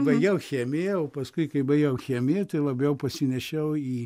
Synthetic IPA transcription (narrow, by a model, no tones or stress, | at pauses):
bɐɪɡʲɛʊxʲɛːmʲɪoːpɐskʊɪkɐɪbɐɪɡʲɛʊxʲeːmʲɪt̪ɐɪlˠɐbʲɛʊpɐsʲɪnʲɛʃʲɛʊiː